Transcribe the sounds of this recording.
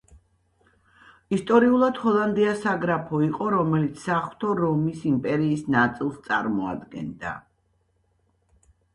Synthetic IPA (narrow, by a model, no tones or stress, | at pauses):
ist̪ʼɔɾiulˠad̪̥hɔlˠand̪iasaɡɾapʰɔiqʼɔɾɔmɛlit̪sʰsaχw̥t̪ʰɔɾɔmisimpʼɛɾiːsnat̪sʼilˠst̪sʼaɾmɔa̰d̪ɡɛ̰nd̪a̰